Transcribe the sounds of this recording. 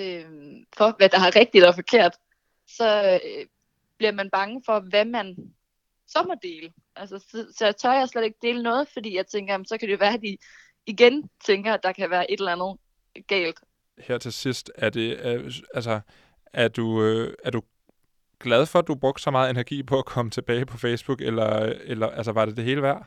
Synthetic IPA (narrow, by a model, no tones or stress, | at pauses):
ø | fɒ̽ʋæd̥ɑ̈hɑʁɛɡ̥̚d̥id̥ɒfɒ̽kʰe̝ɐ̰d̥ | sɒ̽ | b̥liɐmænb̥ɑ̈ŋəfɒ̽ʋæmæn | sɒ̽mɐd̥e̝̰ːlə | ʔælsəsɒsɒjɑt͡sʰɒɪsled̥e̝ɡ̥̚d̥e̝̰ːlənɔ̽ːð̞̩ˠfɒ̽d̥ḭːjɑ̈ɪt͡sʰeŋɡ̥ɐjæm̩sɒ̽kʰæd̥uoʋæɐæd̥iː | ɡ̥ent͡sʰeŋɡ̥ɐæd̥ɑ̈kʰæʋæːɐʔe̝ɾel̩ænð̩ˠ | ɡ̥ɛ̰ːld̥ | heɐ̰t͡sʰe̝lsisd̥æɐd̥e̝ælsɐ | æɐd̥uøæɐd̥u | ɡ̥læð̞ˠfɒ̽æd̥ub̥ʁɔ̽ɡ̥d̥sɒ̽mɑ̈ːð̞̩ˠe̝næɐɡ̥ḭːpʰɒ̽ækʰɒ̽mət͡sʰe̝b̥ɛːɪpʰɒ̽feːsb̥uɡ̥elɐelɐʔælsəʋɑ̈ɾ̥e̝d̥e̝ɦe̝ːləʋæɐ̰